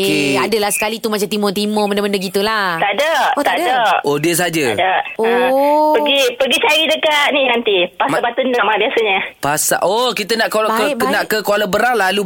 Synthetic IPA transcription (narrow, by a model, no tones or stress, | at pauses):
eadəlahsə̥kalit̪umat͡ʃamt̪imɔt̪imɔmənaməndəɡit̪ulat̪adaʔt̪adaʔodiəs̬ad͡ʒədaʔopəɡipəɡit͡ʃaɾidəkat̪̚ninant̪ipasabat̪ənaʔmaabiasəɲəpasa̰ʔokit̪ənaʔkokənaʔkəkoalabəɾaŋlalu